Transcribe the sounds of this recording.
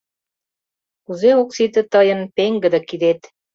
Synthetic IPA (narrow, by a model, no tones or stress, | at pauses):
kuzeoksit̪ə̆t̪əjənpeŋɡə̆d̪ə̆kid̪et̪